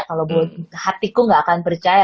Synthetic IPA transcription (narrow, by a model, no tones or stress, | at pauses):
kalabuat̪̚hat̪ikuŋɡaʔːkanpərt͡ʃaja